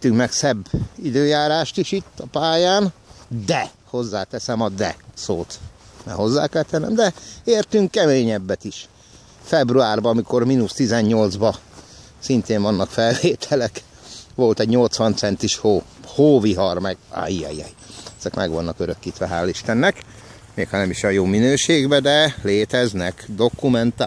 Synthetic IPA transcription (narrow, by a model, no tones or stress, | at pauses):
t̪ːyŋkmɛksɛbːid̪øːjaːɾaːʃt̪iʃit̪ːɒpaːjaːnd̪ɛ | ho̞zːaːt̪ɛsɛmɒd̪ɛsoːt̪nɛ̰ɦo̞zːa̰ːkɛlt̪ɛnːɛmd̪ɛeːrt̪yŋkːɛmeːɲɛbːɛt̪iʃ | fɛbruaːrbɒɒmiko̞rminust̪izɛɲɲo̞ld̪zbɒ | sint̪eːɱvɒnːɒkfɛlveːt̪ʰɛlɛk | ʋo̞lt̪ɛɟɲo̞lt̪sʋɒnt̪sɛnt̪iʃhoːhoːviɦɒrmɛɡa̰jiɛ̰jɛ̰jɛz̥ɛkmɛ̰ɡʋɒnːɒkøɾøkːit̪ʋɛɦaːlːiʃt̪ɛnːɛk | meːkhɒnɛmiʃjɒnjoːminøːʃeːɡbɛd̪ɛleːt̪ɛznɛkd̪o̞kumɛnt̪a